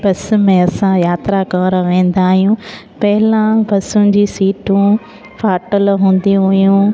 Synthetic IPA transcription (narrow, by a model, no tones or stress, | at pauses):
bɐsmẽɐsãjaːt̪ɾakɐ̃ɾãʋẽːn̆d̪aːɦijũpɐɦɪlãbɐsʊd͡ʑiːsiːʈũ | fʰaːʈəlɦũːn̆d̪iũɦʊjũ